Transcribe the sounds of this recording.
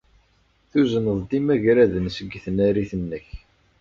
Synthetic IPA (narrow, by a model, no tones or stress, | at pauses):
θuzənəðˤd̪imæʝɾæðənsəɡːθənæɾiθənːəç